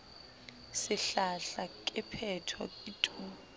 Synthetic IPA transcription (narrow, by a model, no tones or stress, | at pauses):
sɪɬaɬakʼɛpʰɛtʰɔ̰itʼuː